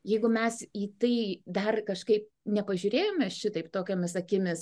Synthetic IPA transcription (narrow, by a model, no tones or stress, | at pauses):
jɛɪɡʊmʲɛsiːt̪ɐɪd̪ɐrkɐʃkɐɪp̚ | nʲɛpɐʒʲʊɾʲeːjoːmʲɛʃʲɪt̪ɐɪpt̪oːkʲoːmʲɪsɐkʲɪmʲɪs